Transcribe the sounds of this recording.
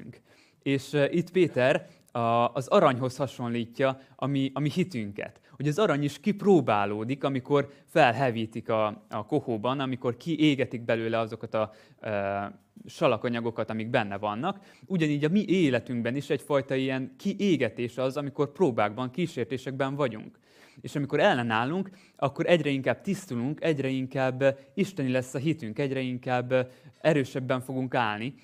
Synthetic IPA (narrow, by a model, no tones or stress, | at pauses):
ŋk | eːʃʔit̪peːt̪ɛr | ɒzɒɾɒɲɦo̞shɒʃo̞nliːcːɒɒmiɒmihit̪yŋkɛ̰t̪ho̞ɟɒzɒɾɒɲiʃkiproːbaːloːd̪ikɒmiko̞rfɛlɦɛviːt̪ikɒɒko̞hoːbɒnɒmiko̞rkiʔeːɡɛt̪iɡ̚bɛløːlɛɒzo̞kɒt̪ɒ | ʃɒlɒkɒɲɒɡo̞kɒt̪ɒmiɡ̚bɛnːɛvɒnːɒk | uɟɒniːɟɒmiʔeːlɛt̪yŋɡbɛniʃɛcfɒjt̪ɒijɛŋkʰiʔeːɡɛt̪eːʃɒzɒmiko̞rproːbaːɡbɒŋkiːʃeːrt̪eːʃɛɡbɛɱvɒɟṵŋk | eːʃɒmiko̞ɾɛlːɛnaːlːuŋk | ɒkːo̞ɾʔɛɟrɛiŋkaːb̥̚t̪ist̪uluŋkɛɟrɾɛiŋkaːbiʃt̪ɛnilɛsːɒɦit̪yŋkɛɟɾɛiŋkaːbːɛɾøːʃɛbːɛɱfo̞ɡuŋkaːlni